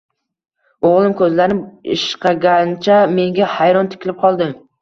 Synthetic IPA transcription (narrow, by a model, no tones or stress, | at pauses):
oʁlˠɪmkʰɵzlaɾnɪpɪ̰ʃqʰɑɡʲant͡ʃʰame̞ŋɡʲahajɾɒnt̪ʰɪ̥kʲlɪp̚qʰɒlˠd̪ɪm